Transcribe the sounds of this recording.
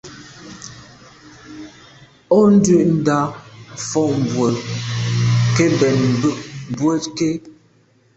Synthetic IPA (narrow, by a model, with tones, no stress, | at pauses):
ɔ˦n̩˦dʉ˦˨ʔn̩˦da˦fɔ˦˨ʔm˨bwə˨ | ke˦bɛ˨nm̩˨bʉ˦˨ʔm˨bwə˦tke˦